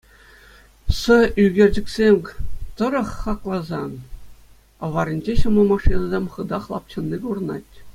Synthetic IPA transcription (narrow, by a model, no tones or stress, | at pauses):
sɤ̆yɡʲĕrʲd͡ʑɘ̆ksʲemʲt̪ɤ̆ɾɤ̆χːɑklˠɑzɑn | ɤ̆ʋɑɾʲĭnʲd͡ʑeɕɤ̆mlˠɤmɑʂinɑzʲemʲχɯ̆d̪ɑχlˠɑp̚t͡ɕɤ̆nːiɡurɤ̆nɑ̰tʲ